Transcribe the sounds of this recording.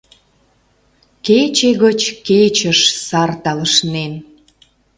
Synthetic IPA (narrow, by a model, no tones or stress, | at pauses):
ket͡ɕeɣət͡ɕket͡ɕəʃsɑrt̪ɑləʃnen